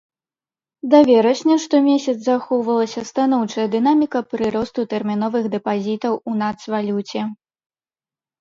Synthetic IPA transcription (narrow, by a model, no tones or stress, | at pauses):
d̪avʲɛɾɐɕʲnʲɛʂt̪ɔmʲesʲɐt̪szaxɔwvɐlˠɐsʲɐst̪anɔwt͡ʂɐjɐd̪ɨnamʲikɐpɾɨɾɔst̪ut̪ɛrmʲinɔvɨxd̪ɛpazʲit̪ɐwunat̪svalʲut͡sʲɛ